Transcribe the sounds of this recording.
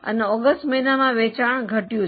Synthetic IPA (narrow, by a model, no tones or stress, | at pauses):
ə̰nɔːɡəsʈmɐɦinamãʋeːt͡ɕaːɽ̃ɡʱɐʈijũ